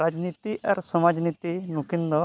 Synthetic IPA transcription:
ɾad͡ʒnit̪iʔa̰ɾsəmad͡ʒnit̪inukind̪ɔ

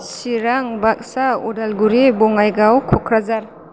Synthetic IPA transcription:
siɾaŋbak̚saṵdalɡuɾibɔŋajɡawkʰɔkʰɾazaɾ

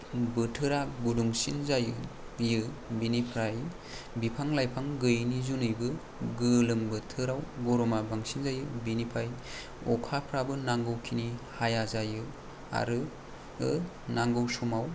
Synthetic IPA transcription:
bɯtʰɯɾaɡuduŋsinzajɯ | jɯbinipʰɾaj | bipʰaŋlajpʰaŋɡɯjnizunɯjbɯ | ɡɯlɯŋbɯtʰɯɾawɡɔɾɔmabaŋsinzajɯbinipʰaj | ɔkʰapʰɾabɯnaŋɡɯwkʰinihajazajɯ | a̰ɾɯ | ɯ | naŋɡɯwsumaw

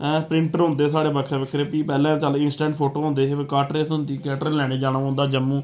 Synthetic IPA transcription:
pɾɪ̃ɳʈəɾɦʊ̃nd̪eːsaːɽeːbəkʰɾeːbəkʰɾeːpiːpɛːlɛ̃ːt͡ʃaːlɪnsʈɛ̃ːɳʈpʰoːʈoːɦõːnd̪eːeːʋeːkaːʈɾeːsʊ̃nd̪iːkɛːʈɾlɛːɽ̃iːd͡ʒaːnaːɦʊ̃nd̪aːd͡ʒəmːũː

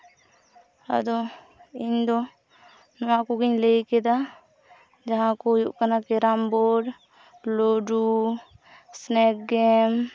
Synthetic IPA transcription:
ə̰d̪o | ĩnd̪o | nəãkoɡiɲleked̪a | d͡ʒəɦãkojuʔkənakeɾamboɖ | loɖu | snek̚ɡem

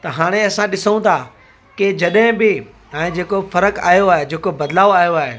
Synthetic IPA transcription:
t̪ɐɦaːɽ̃eɐsãɗɪsəɽũt̪ʰaː | kɪd͡ʑɐɗɦɪ̃bɪ | ɛ̃ːd͡ʑeːkofɐɾəka̰ːijoaːɦed͡ʑeːkobɐd̪laːoaːijoaːɦeː

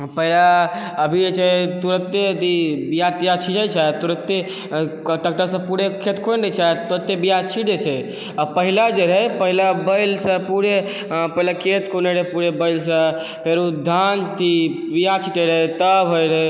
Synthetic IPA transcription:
pəɦila | əbʱiet͡ʃʰɛt̪uɾət̪ːet̪ibijat̪ijat͡ʃʰid͡ʒajt͡ʃʰɛt̪uɾət̪ːe | ʈəkʈəsə̃puɽekʰet̪kʰonɾət͡ʃʰat̪uɾət̪ːebijat͡ʃʰiɽet͡ʃʰɛ | apəɦilad͡ʒeɾəɦepəɦilabəjlsə̃puɾe | pəɦilakʰet̪kʰoneɾəpuɾebəɪlsə̃ | kəɾud̪ʱant̪ʰi | bijat͡ʃʰiʈeɾəjt̪əbɦojɾəj

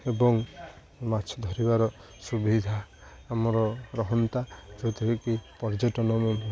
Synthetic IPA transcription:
ebɔŋ | mat͡ʃʰɔd̪ʱɔɾibaɾɔ | subid̪ʱaː | mɔɾɔɾɔɦɔnt̪ad͡ʒot̪ʰiekipɔɾd͡ʒɔʈɔnɔmɔ

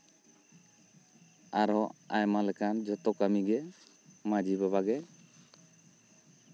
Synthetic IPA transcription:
aɾɔajmalɛkʰand͡ʒɔt̪ɔkamiɡɛ | mad͡ʒibabaɡɛ

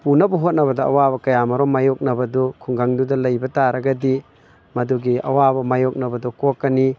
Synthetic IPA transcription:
punɐbɐɦot̚nɐβɐdɐɐ̰wabɐkɐjamɐɾɔmajok̚nɐbɐdukʰuŋɡaŋdudɐlɐjbɐtaɾɐɡɐdi | mɐduɡiɐ̰wabɐmajok̚nɐbɐdukokːɐni

